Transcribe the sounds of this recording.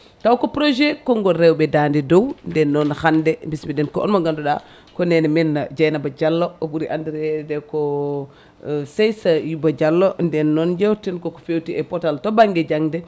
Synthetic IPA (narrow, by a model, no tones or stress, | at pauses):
tawkɔpɾoʒɛkɔŋɡɔɾɛwbɛdandidowndɛnːɔnxandɛmbismidɛnkɔɔ̰nmaŋɡanduɗa | kɔnɛnɛmɛnːad͡ʒajnabad͡ʒalːoobuɾiʔandiɾɛdɛkɔ | sejsajubad͡ʒalːondɛnːɔnd͡ʒɛwtinkoko̥fewtiɛpɔtaltobaŋɡɛd͡ʒaŋdɛ